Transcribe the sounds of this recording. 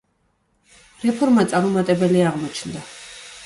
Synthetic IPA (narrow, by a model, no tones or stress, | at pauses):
ɾɛpʰɔɾmat̪sʼaɾmɔmat̪ʼɛbɛliaʁmɔt͡ʃʰnd̪a